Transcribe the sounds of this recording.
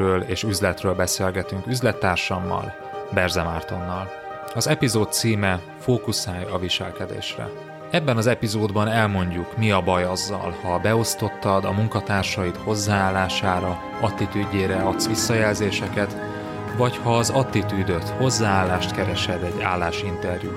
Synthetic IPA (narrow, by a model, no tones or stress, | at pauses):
øːleːʃyzlɛt̪røːlbɛseːlɡɛt̪yŋkyzlɛt̪ːaːrʃɒmːɒ̰l | bɛrzɛmaːrt̪o̞nːɒl | ɒzɛpizoːt̪̚siːmɛ | foːkusaːjɒviʃɛlkɛd̪ḛːʃrɛ̰ | ɛbːɛnɒzɛpizoːd̪bɒnɛlmo̞ɲɟukmiɒbɒjɒzːɒ̰lhɒbɛo̞st̪o̞t̪ːɒd̪ɒmuŋkɒt̪aːrʃɒjit̪ho̞zːaːaːlːaːʃaːɾɒ | ɒt̪ːit̪yːɟeːɾɛɒt̪sʋisːɒjɛlzeːʃɛkɛt̪ | vɒchɒːzɒt̪ːit̪yːd̪øt̪ho̞zːaːaːlːaːʃt̪kɛɾɛʃɛd̪ɛɟːaːlːaːʃint̪ɛrjṵ